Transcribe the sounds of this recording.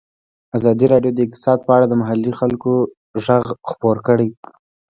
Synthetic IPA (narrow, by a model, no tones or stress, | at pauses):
azɑd̪iɾɑɖjod̪əɪq̚t̪ɪ̥sɑd̪̚pəaɽad̪əmaɦalːixalko | ʒaɣxpoɾkəɽej